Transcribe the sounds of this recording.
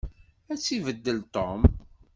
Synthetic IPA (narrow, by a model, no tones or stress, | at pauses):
æt͡sːivəd̪ːəlt̪om